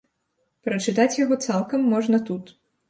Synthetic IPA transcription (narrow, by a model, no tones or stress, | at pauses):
pɾɐt͡ʂɨt̪at͡sʲjɐɣɔt̪salˠkɐmːɔʐnɐt̪ut̪